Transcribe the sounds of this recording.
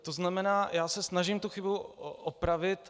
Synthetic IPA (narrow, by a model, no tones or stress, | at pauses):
t̪oznamɛnaːjaːsɛsnaʒimt̪uxɪbuʔopɾavɪt̪